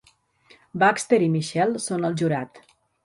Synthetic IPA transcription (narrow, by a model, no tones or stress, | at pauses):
bakst̪eɾimiʃɛlˠsonəlˠʒuɾat̪